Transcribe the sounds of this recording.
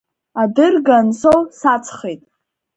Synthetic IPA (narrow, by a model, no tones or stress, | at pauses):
adɨrɡansowsat͡sʰχejtʼ